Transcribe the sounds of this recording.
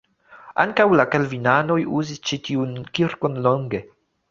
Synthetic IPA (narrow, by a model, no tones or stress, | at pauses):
a̰ŋkawlakalvinano̞juzist͡ʃitiunkiɾkonloŋɡe̞